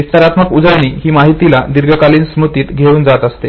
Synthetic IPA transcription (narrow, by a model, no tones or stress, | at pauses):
ist̪əɾat̪məkud͡zaɳ̃iːɦiːmaɦit̪ilad̪iɾɡʱəkaliːnsmɾut̪iːt̪ɡʱeuːnd͡zat̪əst̪e